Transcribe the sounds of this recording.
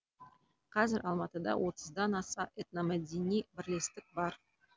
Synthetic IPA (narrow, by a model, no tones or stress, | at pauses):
qʰɑzɪɾɑlˠmɑt̪əd̪ɑ̰wʔo̞t̪ə̥zd̪ɑnɑsɑʔet̪namæd̪enijbɪɾle̞st̪ɪk̚bɑɾ